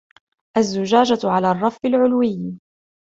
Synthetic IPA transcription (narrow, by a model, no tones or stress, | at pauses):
ʔazːʊd͡ʒaːd͡ʒaʕalaːrˤːɑfɪlʕʊlwɪjː